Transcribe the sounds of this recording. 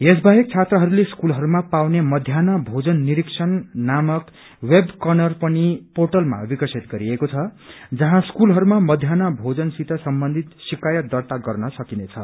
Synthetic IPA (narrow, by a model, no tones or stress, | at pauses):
esbajʌk̚t͡sʰat̪rʌɦʌɾuleskulɦʌɾumapawnemʌd̪ʱjanabʱod͡zʌnːiɾiksʰʌnːamʌk | webkʌnʌrpʌnipoʈʌlma̰bikʌrsʰit̪ɡʌɾiekot͡sʰʌ | d͡zʌɦãskulɦʌɾumamʌd̪ʱjanabʱod͡zʌnsit̪ʰʌsʌmbʌnd̪ʱit̪sikajʌt̪̚d̪ʌrt̪aɡʌrnʌsʌkinet͡sʰʌ̰